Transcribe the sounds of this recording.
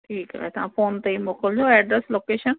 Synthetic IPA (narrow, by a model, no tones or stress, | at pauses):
ʈʰiːka̰ɦet̪ɐʋã̰foːnt̪ɐimoːkəld͡ʑoɛːɖɾesloːkeːʃən